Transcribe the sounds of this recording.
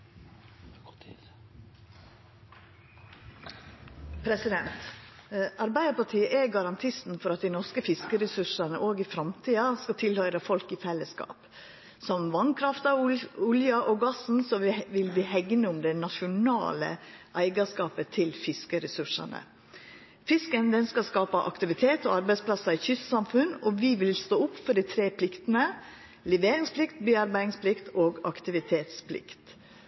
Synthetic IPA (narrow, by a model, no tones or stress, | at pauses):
pʰɾɛsɪd̪ɛnt̪ | ɑɾbæɪd̪əpɑʈʰiːəʔæɡɑɾɑnt̪ʰɪst̪n̩fɔɾɑt̪̚d̪ɪnɔɾskəfɪskəɾɛsʉʂɑnəʔoːɡɪfɾɑmt̪ʰiːɑskɑt̪ʰɪlhœʏɾɑfɔlkɪfɛlːəskɑ̰ːp | sɔmʋɑnkʰɾɑft̪ɑʊljɑʔoːɡɑsn̩sɔʋɪlʋɪhɛɡnəʊmd̪ɛnɑʃʊnɑ̰ːlə̰ʔæɪɡɑskɑːpət̪ʰɪlfɪskəɾɛsʉʂɑ̰nə̰ | fɪskənd̪ɛnskɑlskɑːpɑʔɑ̰kt̪ɪʋɪt̪ʰeːt̪ɔɑɾbæɪspʰlɑsɑɪçʏssɑmfʉnɔʋɪʋɪlst̪oːʊpːfɔɖit̪ʰɾeːpʰlɪkt̪ənə | lɛʋeːɾɪŋsplɪkt̪biːɑɾbæɪɪŋspʰlɪkt̪oːɡɑkt̪ɪʋɪt̪ʰeːt̪spʰlɪ̰kt̪